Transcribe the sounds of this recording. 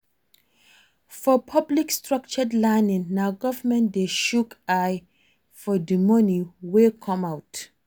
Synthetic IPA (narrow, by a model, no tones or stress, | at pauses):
fɔpʰʌblikstɹʌk̚t͡ʃədlɛnɪ̃ŋnaʊɡɔvəmɛ̃ntdeʃukaj | fɔdimɔniwekʰɔ̃mawt